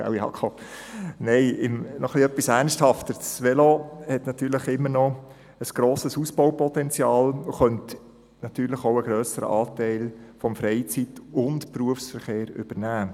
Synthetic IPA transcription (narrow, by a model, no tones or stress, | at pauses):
a̰wiɑ̰kʰɔ | nɛɪɪmnɔχliœpːisæɾnsthɑftəɾsʋɛlohɛtnɑt̪yːɾləχɪmːənɔ | əsɡ̥ɾoːsəsusbɔʊwpɔtɛnt͡sjɑːluχœnt | nɑtyːɾləχoʊəɡɾœːsəɾə̰ʔɑːtæɪlfɔmfɾɛɪt͡sitʊntpruəfsfəɾχeːɾʏ̰b̥əɾnæː